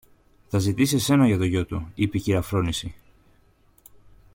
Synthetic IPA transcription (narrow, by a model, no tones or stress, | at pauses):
θɐzit̪isese̞nɐʝɐt̪o̞ʝo̞t̪uipeciɾɐfɾo̞nisi